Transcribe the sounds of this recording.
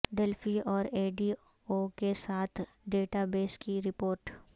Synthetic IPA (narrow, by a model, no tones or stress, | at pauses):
ɖeːlpʰiɔːɾeːɖiː | okesaːt̪ʰ | ɖeːʈabeːskiɾɪpoːɾʈ